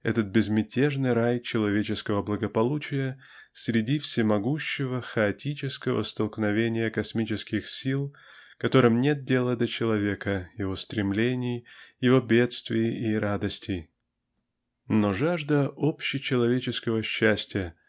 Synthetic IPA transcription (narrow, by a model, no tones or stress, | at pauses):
ɛ̰t̪ət̪̚bʲɪzmʲɪtʲeʐnɨjɾajt͡ɕɪlˠɐvʲet͡ɕɪskəvəblˠəɡəpɐlˠut͡ɕɪjə | sʲɾʲɪdʲifsʲɪmɐɡuɕːɪvəxəɐtʲit͡ɕɪskəvə̰st̪əlˠknɐvʲenʲɪjəkɐsmʲit͡ɕɪskʲɪxsʲilˠ | kɐt̪o̞ɾɨmnʲe̞t̪̚dʲe̞lˠəd̪ət͡ɕɪlˠɐvʲe̞kəjɪvo̞st̪ɾʲɪmlʲenʲɪjjɪvo̞bʲet̪st̪vʲɪjɪɪɾad̪əsʲtʲɪj | noʐaʐd̪əʔo̞pɕːɪt͡ɕɪlˠɐvʲet͡ɕɪskəvəɕːæsʲtʲɪjə